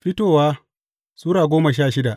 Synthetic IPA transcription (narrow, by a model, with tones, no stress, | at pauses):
ɸɪ˦toː˦˨waː˦ | suː˦ɾaː˨ɡʷoː˦ma˨ʃaː˦˨ʃɪ˦da˨ʔ